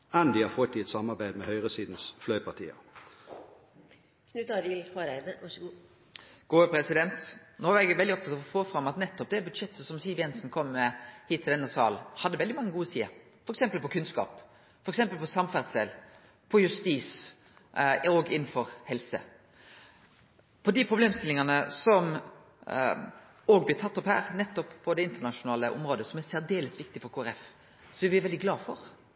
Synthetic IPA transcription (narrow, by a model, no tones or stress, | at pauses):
ænd̪ɪhɑɾfɔt̪ːɪɛt̪sɑmɑʁbæɪd̪mɛhœʏʁəsiːd̪n̩sflœʏpʰɑt̪ʰḭːə̰ | knʉt̪ɑɾɪlhɑɾæɪnəʋɑʂəɡuː | ɡ̥oːpʰɾɛsɪd̪ɛnt̪noːæɾɛɡʋɛld̪ɪɔp̚t̪ɑt̪ɔfoːfɾɑmːɑt̪nɛt̪ːɔp̚d̪ɛbʉd̪ʂɛt̪ːsəsɔmsiːʋjɛnsn̩kʰɔmːɛhiːt̪ʰːɪld̪ɛnːəsɑ̰ːl̩hɑd̪ːəʋɛld̪ɪmɑŋːəɡuːəsiːə | fɔɾɛksɛmpəlpɔkʰʉnskɑ̰ːp | fɔɾɛksɛmpəlpʰɔsɑmfæʁd̪seːl | pʰɔjʉst̪iːs | oːɡɪnn̩fɔɾhɛlsə̰ | pʰɔd̪ɪpʰɾʊbleːmst̪ɪlɪŋɑnəsɔm | oːɡblɪt̪ʰɑt̪ːɔphæ̰ːɾnɛt̪ːɔppʰːɔd̪ɛɪnt̪əɳɑʃʊnɑːləʔʊ̰mɾoːd̪əsɔmæɾsæʁd̪eːləsʋɪk̚t̪ɪfɔɾkʰoːæɾɛf | sɔɛʋɪʋɛld̪ɪɡlɑːfɔɾ